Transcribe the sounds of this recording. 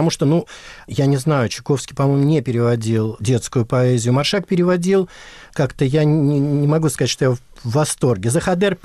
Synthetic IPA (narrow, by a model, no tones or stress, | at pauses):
muʂt̪onujanʲɪznajʊt͡ɕɪ̥ko̞fskʲɪjpɐmo̞jmʊnʲepʲɪɾʲɪvɐdʲilˠdʲe̞t̪skʊjʊpɐezʲɪjʊmɐrʂak̚pʲɪɾʲɪvɐdʲilˠkakt̪əjanʲɪmɐɡuskɐztʃʂt̪o̞javːɐst̪o̞rɡʲɪzəxɐd̪ɛrp